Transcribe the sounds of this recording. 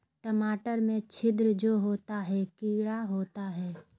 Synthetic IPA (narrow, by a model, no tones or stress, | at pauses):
ʈəmaːʈəɾmẽt͡ʃʰɪd̪ɾəd͡ʒoːɦoːt̪aɦɛkiːɽaɦoːt̪aɦɛː